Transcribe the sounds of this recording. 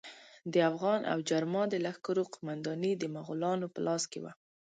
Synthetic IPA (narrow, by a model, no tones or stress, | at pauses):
d̪əafɣɑnʔa̰wd͡ʒaɾmɑd̪əlaxkaɾoqʊmand̪ɑnid̪əmaɣulɑnopəlʔɑskḛwa̰